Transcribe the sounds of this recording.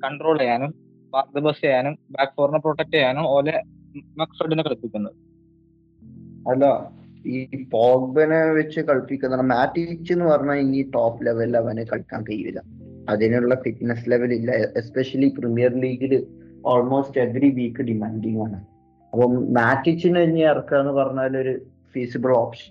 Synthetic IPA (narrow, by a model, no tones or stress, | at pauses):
kɐɳɖro̞ːɭɐjaːnum | paːrk̚d̪ɐbɐsɐjaːnumbaːkfoːrnɐproːʈɐk̚ʈːejaːnumoːle | mɐksoɖɐnekɐɭpːikʲːunːɐðɨ | ɐlːɐiːpoːk̚bɐneʋet͡ɕːɨkɐɭpːikʲːunɐðaːɳɐmaːtːit͡ɕːenːɨpɐrɐɲːaiŋːiʈoːpːle̞ʋɐlɐʋɐnekɐɭkːa̰ːnkɐjuʋḭlːɐ̰ | ɐðinejuɭːɐfiʈnesle̞ʋɐlilːɐespeʂɐliprimijɐrliːɡilɨo̞ːlmo̞ːste̞ʋriʋiːkːɨɖimaːnɖiŋaːɳɨ | ɐpːoːmaːtːit͡ɕːinɐɲːiɐrɐkːaːenːɨpɐrɐɲːaːlo̞ɾu | fiːsibɐɭoːpʂɐ̥n